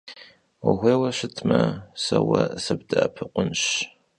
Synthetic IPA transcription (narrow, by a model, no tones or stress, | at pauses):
wɐɣʷeːwɐɕɪtʰmɐsɐwɐsɐbdɐːpʰɨqʷʊnɕ